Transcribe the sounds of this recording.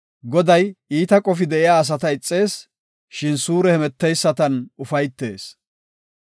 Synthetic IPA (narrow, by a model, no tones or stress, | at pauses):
ɡɔd̪ɐjiːt̪ɐkʼɔfɪd̪ɛʔɪjaːs̬ɐt̪ɐɪt͡sʼːe̞ːs | ʃɪnsuːɾɛhɛmɛt̪ːɛjsːɐt̪ɐnʊfɐjt̪ːe̞ːs